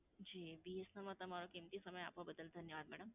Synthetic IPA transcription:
d͡ʒiːbiːesnɐmat̪ɐm̤aːɾokiːmt̪isɐməja̰ːp̚kobɐd̪əl̚d̪ʱɐnjəʋaːd̪̚mɛːɽəm

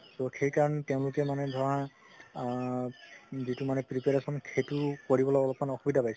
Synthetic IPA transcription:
tɔxejkaɹɔnɛtɛʊ̃lʊkɛmanɛdʱɔɹã | zitumanɛpɹipɛɹasɔnkʰetukoɹibɔlɔɔlɔpmanɔxubidʱapajs

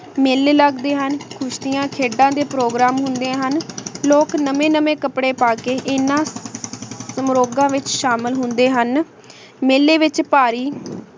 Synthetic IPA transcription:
meːleːləɡd̪eːɦənkʰʊʃd̪ɪjãːkʰeːɖãːd̪eːpɾoːɡɾaːmɦʊnd̪ẽːɦənloːknəmẽːnəmẽːkəpɽeːpaːkeːʔɪnːãː | səmɾoːɡãːʋɪt͡ʃʃaːməlɦʊ̃nd̪eːɦən | meːlːeːʋɪt͡ʃpaːɾiː

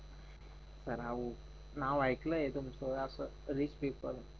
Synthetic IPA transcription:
səɾaʋu | naʋajkləjet̪umsoasə | ɾispepəɾ

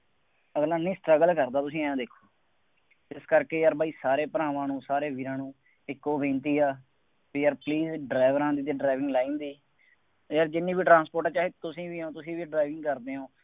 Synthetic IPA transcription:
əɡlaːnĩːsʈɾəɡəlkəɾd̪aːt̪ʊs̬ĩːɛ̃ːd̪eːkʰːoː | ɪskəɾkeːjaːɾbʱaːiːsaːɾeːpəɾãːʋãːnũːsaːɾeːʋiːɾãːnũː | ɪkːoːbẽːnt̪iːaː | piːjaːɾpliːzɖɾaːɪʋəɾãːd̪iːt̪̬eːɖɾaːɪʋɪ̃ŋɡlaːĩːnd̪iː | jaːɾd͡ʒɪnːiːbiːʈɾãːnspoːɾʈãːt͡ʃaːɦeːt̪ʊsĩːʋiːõːt̪ʊsĩːʋiːɖɾaːɪʋɪ̃ŋɡkəɾd̪eːɦõː

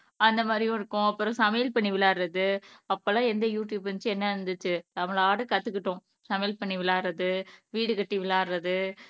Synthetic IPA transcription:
ɐnd̪ɐmaːd̪ɾɪjʊ̃ɪɾɯkːʊ̃ɐpːɯɾɔ̃sɐmejlpɐɳːiʋɪlaːɾɾɐðɯɐpːɐlãːɛnd̪ɐjuːʈjubɐnt͡ʃːɯɛnːɐɐɾɯnd̪ɯt͡ʃːɯnɐmɐɭaːɽɯkɐt̪ːɯkːɪʈːʊ̃ | sɐmɛjlpɐɳːiʋɪlaːɾɾɐðɯʋiːɽɯkɐʈːiʋɪlaːɾɾɐðɯ

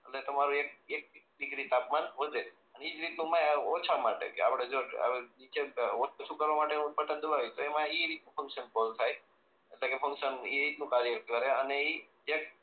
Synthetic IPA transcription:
əʈlet̪omaɾũek̚ek̚ɖɪɡɾit̪apmanʋəd̪e | ənid͡ʒɾit̪nũmãot͡ʃʰamaʈḛkḛa̰pɽed͡ʒoa̰ʋenit͡ʃeot͡ʃʰut͡ʃʰukəɾʋamaʈenuut̪pəʈənd̪əbaʋit̪oemãiɾit̪nũpə̃ŋkʃənkolt̪ʰaj | eʈlekefə̃ŋkʃəniɾit̪nũkaɾjəɾt̪ʰkəɾeənei | ek̚

